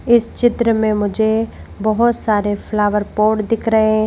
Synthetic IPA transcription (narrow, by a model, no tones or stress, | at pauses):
ɪst͡ʃɪt̪ɾəmẽmʊd͡ʒʱe | bɐɦʊt̪saːɾefʰlaːʋəɾpoːʈd̪ɪkʰɾɐɦeɦɛ̃